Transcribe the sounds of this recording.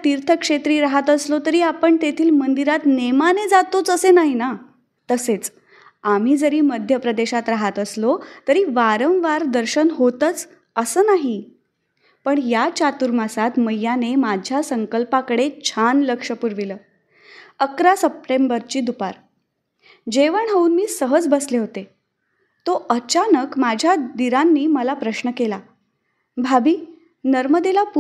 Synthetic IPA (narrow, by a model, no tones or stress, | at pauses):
t̪iɾt̪ʰəkʂet̪ɾiːɾaɦat̪əslot̪əɾiːapəɳt̪et̪ʰiːlmənd̪iɾat̪nemaned͡zat̪ot͡səsenaɦina | t̪əset͡s | am̤iːd͡zəɾiːməd̪ʱjəpɾəd̪eɕat̪ɾaɦat̪əslot̪əɾiːʋaɾə̃w̃ʋaɾd̪əɾɕənɦot̪ət͡s | əsəːnaɦi | pəɳjat͡ɕat̪uɾmasat̪məjːanemad͡ʑʱjasəŋkəlpakəɽet͡ɕʰanləkʂəpuɾʋiləː | əkɾasəp̚ʈembəɾt͡ɕiːd̪upaɾ | d͡ʑeʋəɳɦouːnmiːsəɦəd͡zbəsleɦot̪e | t̪oət͡ɕanəkmad͡ʑʱjad̪iɾanːiːməlapɾəɕnəkela | bʱabʱiː | nəɾməd̪elapu